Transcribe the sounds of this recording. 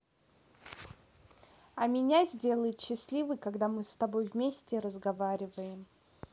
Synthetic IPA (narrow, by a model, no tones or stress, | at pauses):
ɐmʲɪnʲazʲdʲe̞lˠəjɪt̪ɕːɪsʲlʲivɨjkɐɡd̪amɨst̪ɐbo̞jvmʲesʲtʲɪɾəzɡɐvaɾʲɪvəjɪm